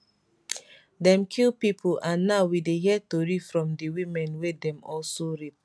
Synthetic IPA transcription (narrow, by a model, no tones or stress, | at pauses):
dɛ̃mkʰilpipʰolʔãnːaʊwideɦiɛtoɹifɹɔ̃mdiwĩmɛ̃nwedɛ̃mɔlsoɹip̚